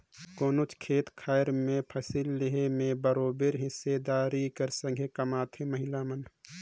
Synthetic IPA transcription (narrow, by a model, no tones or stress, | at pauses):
koːnot͡ʃkʰeːt̪kʰaːjɾmẽpʰəsilːeɦemẽbəɾoːbeɾɦɪsːed̪aːɾikəɾsə̃ŋɡʱekəmaːt̪ʰeməɦɪlamən